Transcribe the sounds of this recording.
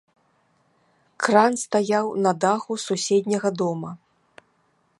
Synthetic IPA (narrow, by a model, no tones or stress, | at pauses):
kranst̪ajawnɐd̪axususʲɛd̪ʲnʲɐɣɐd̪ɔmɐ